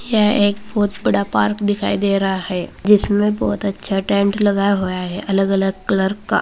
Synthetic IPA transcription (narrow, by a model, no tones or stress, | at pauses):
jɛɦeːk̚bɔːt̪bɐɽapaːɾkd̪ɪkʰa̰ːid̪eːɾaɦahɛːd͡ʒɪsmẽbɔːt̪ɐtːʃʰaʈɛ̃ːɳʈlɐɡaːjɦojaɦɛʔɐləɡɐləɡ̚kləɾkːa̰ː